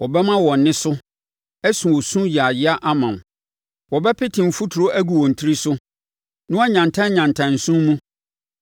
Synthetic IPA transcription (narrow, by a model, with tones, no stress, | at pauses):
wɔ˨bɛ˦mã˦wɔ̃˨nː˨ɪ̃˦sʊ˦ | ɛ˦sũ˨wɔ˨sũ˦ji˨a˨jɪ˦a˦ʔa˦mã˨m˨ | wɔ˨bɛ˦pʰɪ˦tʰɪ̃˨m̩˨fu˦tʰu˨ɾo˦ʔæ˦ɡu˨wɔ̃˨n̩˨tʰi˦ɾi˦sʊ˦ | nʊ̃˦a˦ɲã˨ntʰã˦ɲ˦ɲã˨ntʰã˨n̩˨sũ˦mmũ˦